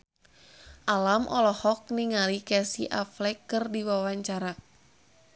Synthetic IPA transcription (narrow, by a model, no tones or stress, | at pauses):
ʔalamʔɔlɔhɔk̚niŋalikɛsiʔaflɛkːɨrdiwawaɲt͡ʃaɾa